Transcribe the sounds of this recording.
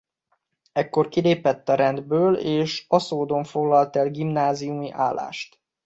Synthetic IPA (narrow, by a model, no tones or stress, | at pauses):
ɛkːo̞rkileːpɛt̪ːɒɾɛnd̪bøːleːʃɒsoːd̪o̞ɱfo̞ɡlɒlt̪ɛlɡimnaːzijumiʔaːlːa̰ːʃt̪